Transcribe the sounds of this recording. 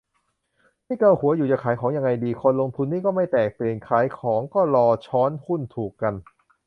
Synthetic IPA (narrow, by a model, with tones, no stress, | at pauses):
maː˥˩kaː˧˩whu˩˦ɐjuː˨˩t͡ɕaː˨˩kʰaː˩˦jkʰɔː˩˦ŋja˧ŋːa˧jdiː˧kʰo˧nlo˧ŋt̪ʰu˧nːiː˥˩kɔː˥˩ma˥˩jt̪ɛː˨˩k̚pli˨˩ənkʰaː˩˦jkʰɔː˩˦ŋkɔː˥˩ɾɔː˧t͡ɕʰɔː˦˥nhu˥˩nt̪ʰuː˨˩kːa˧n